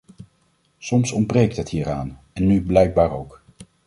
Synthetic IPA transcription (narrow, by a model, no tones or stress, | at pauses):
sɔmsɔn̚brejk̚tɦətɦiːɹaːn | ɛnːyblɛjɡ̚baːɹowk